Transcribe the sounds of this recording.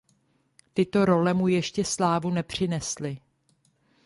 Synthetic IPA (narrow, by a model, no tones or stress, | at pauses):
t̪ɪt̪o̞ɾo̞lɛmujɛʃcɛslaːvunɛpr̝̥ɪnɛslɪ